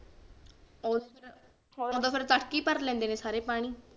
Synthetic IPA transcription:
o | oːd̪aːpʰɪɾt̪əʈkiːpəɾlɛ̃ːnd̪eːnẽːsaːɾeːpaːɽ̃iː

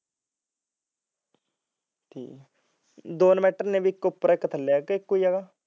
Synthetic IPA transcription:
t̪ʰḭː | d̪oːnmɛːʈəɾnẽːbiːkːʊpːɾaɪkːət̪ʰəlːekɪkːoːiːɦɛːɡaː

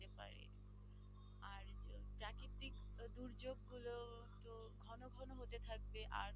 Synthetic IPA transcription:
t̪epa̰ɾḛ | aɾpɾakip̚t̪ik | d̪uɾd͡ʑoɡːulo | t̪o | ɡʱɔnoɡʱɔnoɦot̪et̪ʰak̚beʔaɾ

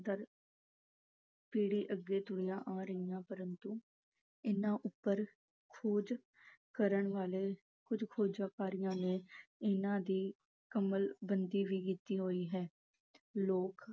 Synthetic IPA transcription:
d̪əɾ | piːɽiːʔəɡːeːt̪ʊɽijãːʔãːɾəɦijãːpəɾənt̪uː | ɪnãːʔʊpːəɾ | kʰoːd͡ʒ | kəɾəɳʋaːleː | kʊd͡ʒkʰoːd͡ʒaːkaːɾɪjãːneːɪnãːd̪iː | kəməlbənd̪iːʋiːkiːt̪iːɦoːiːɦɛː | loːk

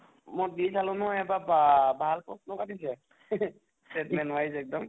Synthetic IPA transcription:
mɔdisalʊnɔɦɔjɛbabbʱalpɔsnɔkatis̬ɛ | stɛtmɛnʊwais̬ɛk̚dɔm

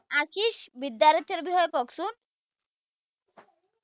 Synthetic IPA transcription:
aʃiʃbid̪ːaɾit̪eɾbiɦɔjɔkɔksun

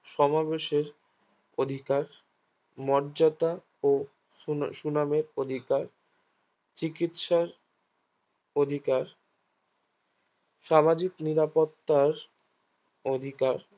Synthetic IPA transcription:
ʃɔmabeʃeɾ | od̪ʱikaɾ | mɔɾd͡ʑat̪a | o | ʃunameɾod̪ʱikaɾ | t͡ɕikit̪ʃaɾ | od̪ʱikaɾ | ʃamad͡ʑikniɾapot̪ːaɾ | od̪ʱikaɾ

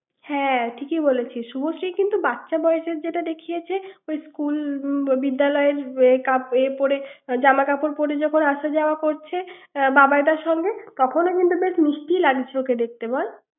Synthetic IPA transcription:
hɛ̃ʈʰikebolet͡ɕʰiʃuboʃɾijkint̪ubat̪ːɕʰabɔeeʃeɾd͡ʑeʈad̪ekʰijet͡ɕʰeojskulbid̪ːalɔeeɾkapepoɾed͡ʑamakapoɾpoɾed͡ʑɔkʰonaʃad͡ʑaoakoɾt͡ɕʰebabaed̪aɾʃɔŋɡet̪ɔkʰonokint̪ubeʃniʃʈilaɡit͡ɕʰoked̪ek̚t̪ebɔɾ

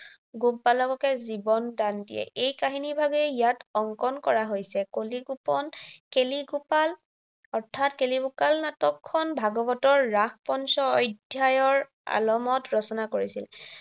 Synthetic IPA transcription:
ɡupːalɔkɔkɛzibɔndandḭjɛ̰ʔejkaɦinibʱaɡɛijatɔŋkɔnkɔɹaɦojsɛkoliɡupɔnkeliɡupal | ɔɹtʰatkelibukalnatɔkʰːɔnbʱaɡɔbɔtɔɹːaxpɔnsɔɔjdʱjajɔɹ | a̰lɔmɔtɹɔsɔnakoɹisil

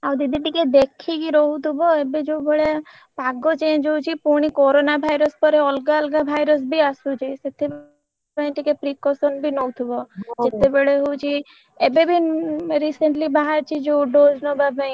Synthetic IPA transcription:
awd̪id̪ʱiʈiked̪ekʰikiɾɔɦut̪ʰubɔebed͡ʒowbeɭe | paɡɔt͡ʃẽd͡ʒowt͡ʃʰipuɽ̃ikɔɾonabʱajɾɔspɔɾeɔlɡaɔlɡabʱajɾɔs̬biasut͡ʃʰiset̪ʰe | paĩʈikepɾikɔsɔnbʱinowt̪ʰubɔd͡ʒet̪ebeɭeɦowt͡ʃʰi | ebebʱiɾiseɳʈlibaɦaɾt͡ʃʰid͡ʒoɖod͡ʒnɔbabaĩ

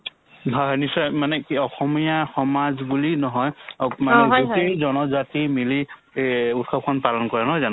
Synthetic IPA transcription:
ɦɔɦɔnisɔmanɛkiɔxɔmijaxɔmazbulinɔɦɔjakmaɛuezɔnɔzatimili | utkʰɔp̚kʰɔnpalɔnkɔɹanɔɦɔjzan

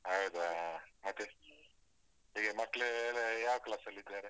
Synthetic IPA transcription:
ɐwd̪mɐt̪ːe | ɦiːɡemɐʈlelejaːʋklaːsɐlːid̪ːaːɾe

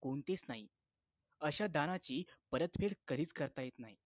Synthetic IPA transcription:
koɳt̪et͡snaɦi | əɕad̪aɽ̃at͡ɕiːpəɾət̪fʰeɽkəɾiːt͡skəɾt̪ajet̪naɦi

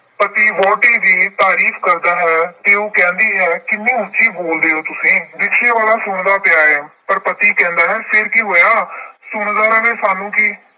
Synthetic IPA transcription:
pət̪iːʋɔːʈiːd͡ʒiːt̪aːɾiːfʰkəɾd̪aːɦɛːt̪eːoːkɛ̃ːnd̪iːɦɛːkɪnːĩːʊːʃiːboːld̪eːɦoːt̪ʊsĩːd͡ʒɪkʰʃʰeːʋaːlaːsʊɳ̃d̪aːpjaːɾɛːpəɾpət̪iːkɛ̃ːnd̪aːɦɛːpʰɪɾkiɦoːjaːsʊɳd̪aːɾəʋeːsaːnũːkiː

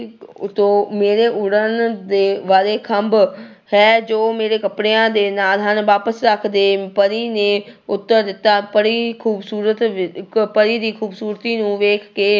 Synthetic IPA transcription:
t̪õːmeːɾeːʔʊɽənd̪eːʋaːɾeːkʰəmb | hɛːd͡ʒoːmeːɾeːkəpɽeːãːd̪eːnaːlɦənʋaːpəsɾəkʰd̪eːpəɾiːnẽːʊt̪ːəɾd̪ɪt̪ːaːpəɽiːkʰuːbsuːɾət̪pəɾiːd̪iːkʰuːbsuːɾt̪iːnũːʋeːkʰkeː

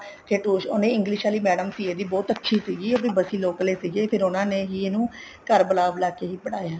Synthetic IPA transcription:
t̪ʰeːʈuːʃoːnẽːɪ̃ŋɡlɪʃaːliːmɛːɖəmsiːeːd̪iːbɔːt̪ətːʃʰiːsiːɡiːəpnĩːbəsiːloːkleːsiːɡeːpʰɪɾʊnãːneːɦiːenũː | kəɾbəlaːblaːkeːɦiːbəɽaːjaː

